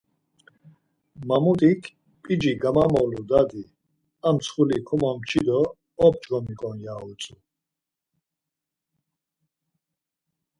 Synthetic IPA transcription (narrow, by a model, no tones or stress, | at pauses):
mamut̪ʼikʰ | pʼid͡ʒiɡamamɔwlud̪ad̪i | amsʰχulikʰumamt͡ʃʰid̪ɔː | p̚ʰd͡ʒɡɔmikʼɔnijaut͡sʼu